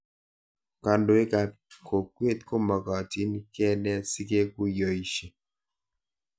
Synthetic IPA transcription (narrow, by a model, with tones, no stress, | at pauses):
ka˨ndo˨e˦ka˨ | kʰo˨kwe˦˨t̚ko˦mɔ˨kɔ˨ti˨˦ni˦kɛ˦nɛ˦˨si˦ke˦ku˦jɔ˨i˨ʃe˨